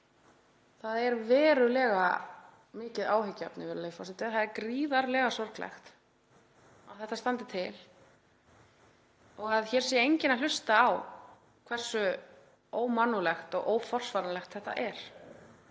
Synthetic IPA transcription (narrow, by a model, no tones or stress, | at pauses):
θaðɛɾvɛːɾʏlɛːɣa | mɪːcɪðaːwɦɪcːa̰pnɪvɛːɾlejfɔsɪt̪ɪθaðɛɾkɾiːðaɾlɛːɣasɔr̥klʔɛ̰xt̪ | awθɛht̪ːast̪ant̪ɪt̪ʰɪl | ɔɣaðçɛːɾ̥sjɛejɲcɪnal̥ʏst̪aːw | kʰvɛr̥sʏ | oːwmanːulɛxt̪ɔ̰ɣʔoːwfɔr̥svaɾanlɛxt̪θɛht̪ːa̰ʔɛɾ̥